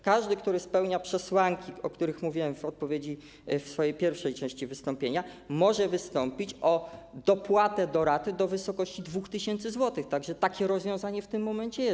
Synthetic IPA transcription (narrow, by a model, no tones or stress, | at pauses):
kaʐd̪ɘkt̪uɾɘspɛwɲapʂɛswaŋkʲiɔkt̪uɾɘxmuvʲiwɛmvɔt̪̚pɔvʲjed͡ʑi | fsfɔjejpʲjɛɾfʂɛjt͡ʂɛ̃w̃ɕt͡ɕivɘst̪ɔmpʲjeɲamɔʐɛvɘst̪ɔmpʲit͡ɕɔd̪ɔpwat̪ɛd̪ɔɾat̪ɘd̪ɔvɘsɔkɔɕt͡ɕid̪vuxt̪ɘɕɛnt̪sɘzwɔt̪ɘxt̪aɡʐɛt̪akʲɛɾɔzvjɔ̃w̃zaɲɛft̪ɘmːɔmɛɲt͡ɕɛjɛ